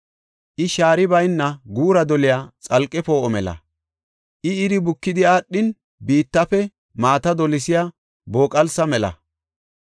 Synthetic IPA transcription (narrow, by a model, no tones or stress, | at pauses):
ʔɪʃaːɾɪbɐjnːɐɡuːɾɐd̪ɔlɪjaːt͡sʼɐlkʼːɛpoːɔmɛlɐ̰ | ʔɪɪɾɪbʊkːɪd̪ɪaːɗːɪn | biːt̪ːɐfɛ | maːt̪ɐd̪ɔlɪsɪja | bo̞ːkʼɐlsɐmɛlɐ̰